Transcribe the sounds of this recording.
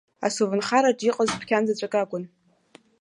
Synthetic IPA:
a̰suvɨnχaɾaʈ͡ʂʼiqʼazpʰkʲʰand͡zat͡ɕʷʼakʼakʷʼʊn

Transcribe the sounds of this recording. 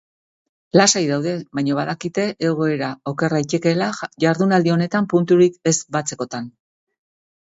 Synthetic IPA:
lasajðawðe̞βajɲoβaðakit̪e̞ʔːɣ̞o̞e̞ɾao̞ke̞rait͡ʃ̪eke̞laʝaɾðunald̪io̞ne̞t̪ampunt̪uɾike̞zbat͡se̞ko̞t̪an

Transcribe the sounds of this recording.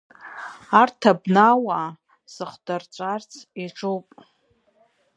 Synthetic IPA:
artʰabnawa | sɨχʷdart͡ʃʷʼart͡sʰiʈ͡ʂʰʼowpʼ

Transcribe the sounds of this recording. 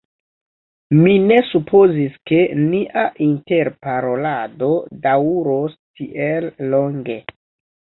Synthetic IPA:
mine̞supʰo̞ziske̞niʔaʔinte̞ɾpaɾo̞lado̞dawuɾostiʔelːo̞ŋɡe̞

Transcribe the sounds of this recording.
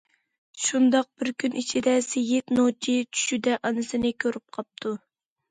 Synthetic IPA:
ʃund̪ɑq̚bɪɾkʲʰynʔit͡ʃʰid̪ɛsejɪt̪not͡ʃʰit͡ʃʰy̥ʃyd̪ɛʔɑnɨsɨnɪkʲʰøɾyp̚qʰɑp̚t̪ʰu

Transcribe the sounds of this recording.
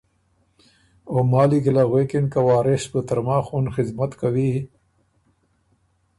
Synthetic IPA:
omaːlikilaɣweːkinkawaːɾesbət̪ɐɾmaːxuːnxizmɐt̪kawi

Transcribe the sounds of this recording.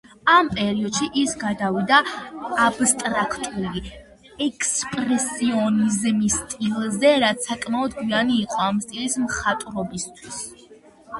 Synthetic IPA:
ampʼɛɾiɔd̪̥ʃiʔisɡad̪avid̪aː | b̥st̪ʼɾakʰt̪ʼuli | ɛkʼspʼɾɛsiɔnizmist̪ʼilˠzɛɾat̪sʰakʼmaɔd̪ɡwianiːqʼɔamst̪ʼilismχat̪ʼɾɔbist̪ʰwis

